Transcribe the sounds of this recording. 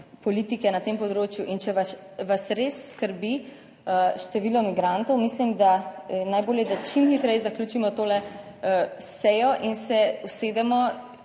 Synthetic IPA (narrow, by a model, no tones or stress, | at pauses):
pɔlit̪ikɛnat̪empɔd̪ɾoːt͡ʃjuʔint͡ʃɛʋa | ʋasɾesːkəɾbi | əʃt̪ɛʋiːlɔmiɡɾant̪ɔwmislimd̪anajboːljɛd̪at͡ʃimxit̪ɾɛjzaklʲjuːt͡ʃimɔt̪oːlɛ | əsɛjɔʔinsɛuseːd̪ɛmɔ